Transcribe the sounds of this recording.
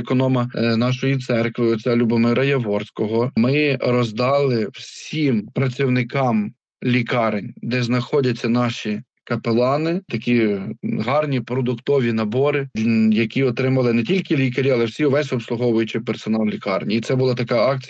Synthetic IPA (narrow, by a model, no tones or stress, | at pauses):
ekɔnɔmɐnɑʃɔjit̪sɛrkʋɪɔt͡sʲalʲubɔmɪɾɐjɐʋɔrsʲkɔɦɔmɪɾɔzd̪ɑlˠɪw̥sʲimpɾɐt͡sʲiwnɪkɑm | lʲikɑɾenʲd̪ɛznɐxɔdʲɐt͡sʲːɐnɑʃi | kɐpelˠɑnɪt̪ɐkʲiɦɑrnʲipɾɔd̪ʊkt̪ɔʋʲinɐbɔɾɪjɐkʲiɔt̪ɾɪmɐlˠɪnɛtʲilʲkɪlʲikɐɾʲiɐlˠɛwsʲiɔʋɛsʲɔpslˠʊɦɔʋʊjʊt͡ʃɪpɛrsɔnɑlˠlʲikɑrnʲiːt̪sɛbʊlˠɑt̪ɐkɑɑk̚t͡sʲi